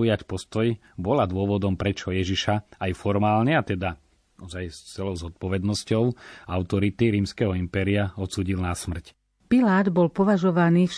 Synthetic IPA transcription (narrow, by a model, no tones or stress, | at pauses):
ujacpɔst̪ɔj | bɔlad̪ʊɔʋɔd̪ɔmpɾɛt͡ʃɔjɛʒiʃaajfɔɾmaːlɲɛat̪ɛd̪a | ɔzajst͡sɛlɔʊzɔt̪̚pɔʋɛd̪nɔscɔʊaʊt̪ɔɾit̪iɾiːmskɛɦɔimpɛːɾiaɔt̪suːɟilnasmr̩c | pilaːd̪bɔlpɔʋaʒɔʋaniːfʃ